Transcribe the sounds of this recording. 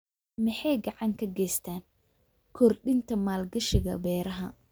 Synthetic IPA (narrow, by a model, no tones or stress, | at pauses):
mɪħɑjɡɑʕɑŋkʰɐɡɛjst̪ʰaːn | kʰɔrɗɪnt̪ʰɐmaːlɡɐʃɪɣɐ̰bɛːɾɐɦɐ̰